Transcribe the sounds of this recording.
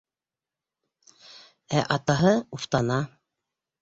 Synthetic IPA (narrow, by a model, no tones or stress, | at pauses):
æʔɑt̪ɑɦɤuft̪ɑnɑ